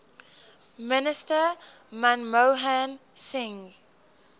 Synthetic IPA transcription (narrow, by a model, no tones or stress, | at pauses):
mɪnɪstəmãnmoɦãnsɪ̃ŋ